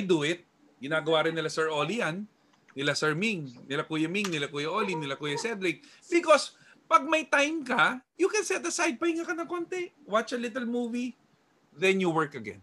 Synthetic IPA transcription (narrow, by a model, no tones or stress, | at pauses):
ʔajd̪uɪt̪̚ | ɡɪnaːɡɐwaːɾɪnːɪlasɛɹʔolijanː | ɪlasɛɹmiŋnɪlɐkuːjɐmiŋnɪlɐkuːjɐʔolinɪlɐkuːjɐsɛd̪ɾɪk̚ | bɪkos | pɐɡ̚mɐjt̪ajmkɐjukɛnsɛt̪ɐsajd̪̚pɐɪŋakɐnɐ̃ŋkont̪ɛwat͡ʃɐlit̪ɛlmuːvi | ðɛ̃njuwɛɹkɐɡɛ̰̃n